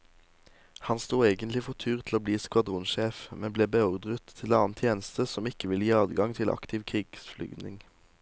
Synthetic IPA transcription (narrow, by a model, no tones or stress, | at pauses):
hɑnst̪uːeːɡənt̪lɪfɔʁt̪ʰyːʁt̪ʰl̩oːbliːskʋɑd̪ʁʊnʃeːfmɛbleːbɛʊʁd̪ʁət̪ʰːɪlɑːnt̪ʰjeːnəst̪əsɔmɪkəʋɪljiːɑːd̪ɡɑŋt̪ʰɪlʔɑ̰kt̪ʰɪʋkʰʁiːɡ̥sflʏ̰ɡnɪ̰ŋ